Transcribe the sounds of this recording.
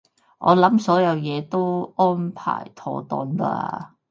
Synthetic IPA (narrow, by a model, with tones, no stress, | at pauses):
ʔɔ̰ː˨˧lɐ˨˥msɔː˨˥jɐ˨˧wjɛː˨˧t̪o˥wʔɔː˥npʰa̰ː˨˩jt̪ʰɔː˧t̪ɔː˧nla̰˧